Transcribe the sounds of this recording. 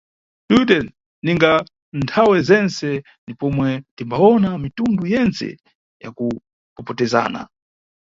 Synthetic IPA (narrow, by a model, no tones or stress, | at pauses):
tutɛnː | iŋɡa | ntʰawɛzɛnsɛ | ndipɔmwɛtimbaɔnamitundujɛnt͡sɛ̰ | ja̰ku | kɔpɔtɛza̰ːna̰